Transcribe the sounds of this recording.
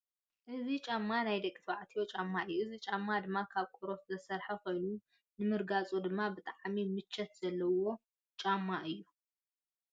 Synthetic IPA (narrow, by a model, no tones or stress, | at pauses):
ʔɨzit͡ʃʼamːanajd̪ɐkʼːit̪ʰβaʕt̪ʰiwot͡ʃʼamːaɨjːuʔɨzit͡ʃʼamːad̪ɨmːakʰaβkʼoɾot̪zɐsɐɾħɐxɨnu | nɨmɨɾɡat͡sʼud̪ɨmːabɨt̪ʼaʕmimɨt͡ʃːɐt̪z̥ɐlːɐwo̞ | t͡ʃʼamːaʔɨjːu